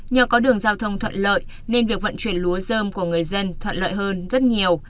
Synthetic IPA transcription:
ɲəː˨˩kɔ˨˦ɗɨ˨˩əŋzaː˧wt̪ʰə˧wŋ͡mt̪ʰwə̰˧˨nlə̰ː˧˨j | ne˧nvi˨˩ək̚və̰˧˨nt͡ɕwi˧˩ənlu˨˦əzəː˧mku˧˩əŋɨ˨˩əjzə˧nt̪ʰwə̰˧˨nlə̰ː˧˨jɦəː˧nzə˦˥t̚ɲi˨˩əw

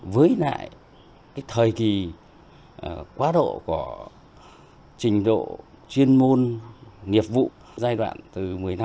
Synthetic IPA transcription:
vəː˨˦jla̰ː˧˨j | kaː˨˦jt̪ʰəː˨˩jki˨˩˨ | kwaː˨˦ɗo̰˧˨ku˧˩ə | t͡ɕï˨˩ŋ̟ɗo̰˧˨ | t͡ɕwi˧ənmo˧nŋi˨˩əp̚vṵ˧˨ | zaː˧jɗwa̰ː˧˨nt̪ɨ˨˩mɨ˨˩əjna˧

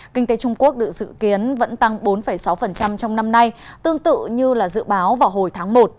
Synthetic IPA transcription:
kï˧ŋ̟t̪e˨˦t͡ɕʊ˧ŋ͡mku˦˥ək̚ɗɨ̰˨˩k̚zɨ̰˧˨ki˨˦ənvə̰˧˥nt̪a˧ŋɓo˨˦nfə˧˩jsa˨˦wfə˨˩nt͡ɕa˧mt͡ɕɔ˧wŋ͡mna˧mna˧jt̪ɨ˧əŋt̪ɨ̰˧˨ɲɨ˧laː˨˩zɨ̰˧˨ɓaː˨˦wvaː˨˩wɦo˨˩jt̪ʰaː˨˦ŋmo˨˩t̚

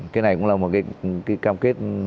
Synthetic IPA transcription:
kaː˨˦na˨˩jkʊ̰˧˥ŋ͡mlaː˨˩mo˨˩t̚kaː˨˦jkaː˨˦jkaː˧mke˦˥t̚

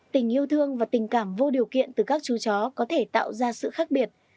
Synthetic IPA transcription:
t̪ï˧˩ŋ̟ʔi˧əwt̪ʰɨ˧əŋvaː˨˩t̪ï˨˩ŋ̟kaː˧˩mvo˧ɗi˨˩əwkḭ˧˨ənt̪ɨ˨˩kaː˦˥k̚t͡ɕu˨˦t͡ɕɔ˨˦kɔ˨˦t̪ʰe˧˩t̪a̰ː˧˨wzaː˧sɨ̰˧˨xaː˦˥k̚ɓi˨˩ət̚

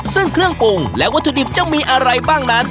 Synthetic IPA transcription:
sɯ˥˩ŋkʰɾɯ˥˩əŋpu˧ŋlɛ˦˥ʔwa˦˥t̪ʰːu˧di˨˩p̚t͡ɕa˨˩miː˧ʔa˧ɾa˧jbaː˥˩ŋna˦˥n

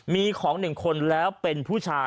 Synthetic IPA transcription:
miː˧kʰɔː˩˦ŋnɯ˨˩ŋkʰo˧nlɛː˦˥wpe˧npʰuː˥˩t͡ɕʰaː˧

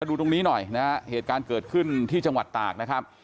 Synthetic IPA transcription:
a˧duː˧t̪o˧ŋniː˦˥nɔ˨˩jna˦˥ɦa˦˥ʔheː˨˩t̪̚kaː˧nkɤː˨˩t̪̚kʰɯ˥˩nt̪ʰiː˥˩t͡ɕa˧ŋwa˨˩t̪ːa̰ː˨˩k̚na˦˥kʰa˦˥p̚

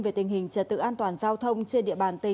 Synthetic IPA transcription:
ve˨˩t̪ï˨˩ŋ̟hï˨˩ŋ̟t͡ɕə˨˧˩t̪ɨ̰˧˥ʔaː˧nt̪waː˨˩nzaː˧wt̪ʰə˧wŋ͡mt͡ɕi˧əɗḭ˧˨əɓaː˨˩nt̪ï˨˩

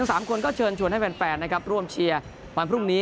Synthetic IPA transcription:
ɯ˦˥ŋsaː˩˦mkʰo˧nkɔː˥˩t͡ɕʰɤː˧nt͡ɕʰu˧˩ənha˥˩pɛ˧npɛː˨˩t̪̚na˦˥kʰɾa˦˥p̚ɾu˥˩əmt͡ɕʰi˧ɐ | wɔ˨˩npʰɾu˥˩ŋniː˦˥

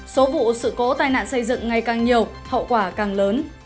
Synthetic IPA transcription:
so˨˦vṵ˧˨sɨ̰˧˨ko˨˦t̪aː˧jna̰ː˧˨nsə˧jzɨ̰˧˨ŋŋa˨˩jkaː˨˩ŋɲi˨˩əw | hə̰˧˨wkwaː˧˩kaː˨˩ŋləː˨˦n

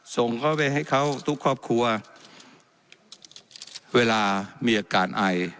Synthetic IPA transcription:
so˨˩ŋkʰa˦˥˩wpa˧jɦa˥˩jkʰa˦˥˩wt̪ʰu˦˥kʰːɔː˥˩p̚kʰu˧ɐ | weː˧laː˧miː˧ʔaː˨˧˩kaː˨˩nʔa˨˩j

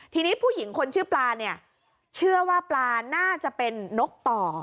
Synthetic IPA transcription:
t̪ʰiː˧niː˦˥pʰuː˥˩ji˩˦ŋkʰo˧nt͡ɕʰɯː˥˩plaː˧ni˥˩ɐ | t͡ɕʰɯ˥˩ɐwaː˥˩plaː˧naː˥˩t͡ɕa˨˩ʔpe˧nːo˦˥k̚t̪ɔː˨˩

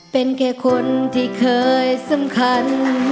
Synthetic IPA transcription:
pe˧˨nkɛː˧˩kʰo˧nt̪ʰiː˧˩kʰɤː˧jsa˧˩mkʰa˧n

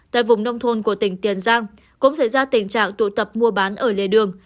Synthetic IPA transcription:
t̪a̰ː˧˨jvʊ˨˩ŋ͡mnə˧wŋ͡mt̪ʰo˧nku˧˩ət̪ï˧˩ŋ̟t̪i˨˩ənzaː˧ŋ | kʊ̰˧˥ŋ͡msa˧˩jzaː˧t̪ï˨˩ŋ̟t͡ɕa̰ː˧˨ŋt̪ṵ˧˨t̪ə˨˩p̚mu˧əɓaː˨˦nʔəː˧˩lḛ˧˨ɗɨ˨˩əŋ

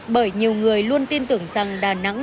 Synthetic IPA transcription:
ɓəː˧˩jɲi˨˩əwŋɨ˨˩əjlu˧ənt̪i˧nt̪ɨ˨˧˩əŋza˨˩ŋɗaː˧˩na̰˧˥ŋ

